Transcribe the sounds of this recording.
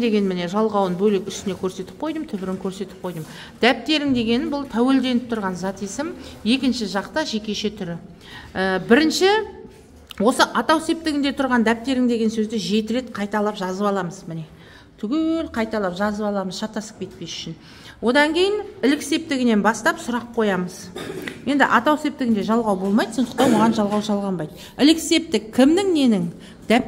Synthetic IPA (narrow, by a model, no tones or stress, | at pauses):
d̪e̞ɡʲe̞nmɪne̞ʒɑlˠʁɑwənbɵlɪkʲʏst̪ɪne̞kʲʰɵɾse̞t̪ɪ̥p̚qʰo̞jd̪əmt̪ʰʏbɪɾɪŋkʲʰɵɾse̞t̪ɪp̚qʰo̞jd̪əm | d̪̥æp̚t̪ːe̞ɾɪŋd̪e̞ɡʲe̞nɪnbʊlˠt̪ʰæwe̞ld̪e̞nɪp̚t̪ʰʊɾʁɑnzɑt̪ijsɪmje̞kʲɪnʃɪʒɑqt̪ɑʒe̞kʲe̞ʃet̪ʰʏɾɪ | əbɪɾɪnʃɪ | wo̞səʔɑt̪ɑwse̞p̚t̪ɪɡɪnd̪e̞t̪ʰʊɾʁɑnd̪æp̚t̪e̞ɾɪŋd̪e̞ɡʲe̞nsɵzd̪ɪʒe̞t̪ɪɾe̞t̪qʰɑjt̪ɑlˠɑpʒɑzəpɑlˠɑməzmɪne̞ | t̪ʰʏɡʲelqʰɑjt̪ɑlˠɑpʒɑzəpɑlˠɑməzʃɑt̪ːɑsə̥q̚kʲʰe̞t̪̚pe̞sʏ̥ʃɪn | wo̞d̪ɑŋkʲʰe̞jɪnɪlɪkse̞p̚t̪ɪɡʲɪne̞nbɑst̪ɑpsʊɾɑpʰo̞jɑməzje̞nd̪ɪ̰ʔɑt̪ɑwse̞p̚t̪ɪɡʲɪnd̪e̞ʒɑlˠʁɑwbo̞lˠmɑjd̪so̞nd̪ə̥qt̪ɑnwo̞ʁɑnʒɑlˠʁɑwʒɑlˠʁɑmbɑjd̪ə | ɪlɪkse̞p̚t̪ɪkʲʰːɪmnɪŋne̞nɪŋ | d̪̥æp